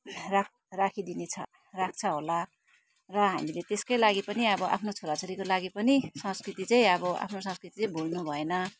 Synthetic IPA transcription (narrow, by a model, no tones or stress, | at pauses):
rak̚ | rakʰid̪inet͡sʰʌ̰ | rak̚ʰt͡sʰʌɦola | rʌɦamilet̪eskojlaɡipʌniʌbʌʔa̰pʰnot͡sʰoɾat͡soɾikolaɡipʌnisʌ̃skrit̪it͡sʌĩʌbʌʔa̰pʰnosʌ̃skrit̪it͡sʌ̃ĩbʱolnubʱʌenʌ